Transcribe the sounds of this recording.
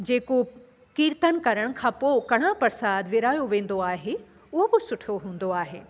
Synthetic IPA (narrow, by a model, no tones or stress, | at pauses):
d͡ʑeːko | kiːɾt̪ənkɐɾəɽ̃kʰãːpoːkɐɽ̃ãpɐɾsaːd̪ʋɪɾaːjoʋẽːn̆d̪oaːɦe | ʊɦobɪsʊʈʰoɦũːn̆d̪oaːɦḛː